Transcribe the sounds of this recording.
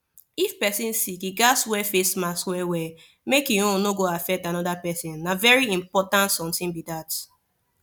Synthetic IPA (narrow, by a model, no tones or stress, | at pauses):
ifpɛsĩnsikiɡaswɛfesmaswɛwɛ | mekiõnoɡoafɛk̚tanɔdapɛsĩnːavɛɹiĩmpɔtãntsɔ̃mtĩnbidat